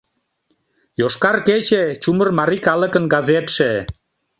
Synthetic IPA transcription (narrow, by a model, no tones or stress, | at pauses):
joʃkɑrket͡ɕet͡ɕumərmɑɾikɑlə̆kənɡɑzet̪ʃe